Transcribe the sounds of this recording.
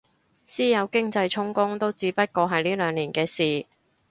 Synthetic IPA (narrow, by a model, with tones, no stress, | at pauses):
siː˥jɐ˨˧wkɪ˥ŋt͡sɐ˧jt͡sʰʊ˥ŋkʊ˥ŋt̪o˥wt͡siː˨˥pɐ˥t̚kɔː˧ɦɐ˨jliː˥lœː˨˧ŋliː˨˩nkɛː˧siː˨˩